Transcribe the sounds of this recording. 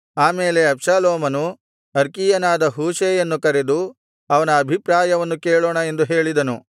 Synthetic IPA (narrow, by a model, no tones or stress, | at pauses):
aːmeːle̞ɐbʃaːloːmɐnu | ɐɾkijɐnaːd̪ɐɦuːʃeːjɐnːukɐɾed̪u | ɐʋɐnɐːbʱipɾaːjɐʋɐnːukeːɭoːɳɐe̞nd̪uɦe̞ːɭid̪ɐnu